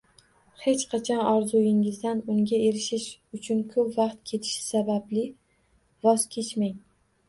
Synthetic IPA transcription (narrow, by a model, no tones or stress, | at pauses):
he̞t͡ʃqʰɑt͡ʃʰɒnɒɾzʊjɪŋɪzd̪anʊŋɡʲae̞ɾɪʃɪʃʊt͡ʃʰʊnkʰɵpvɑqt̪kʲʰe̞t̪ʰɪ̥ʃɪ̥sabablɪ | vɒz̥kʲʰe̞t͡ʃmaŋ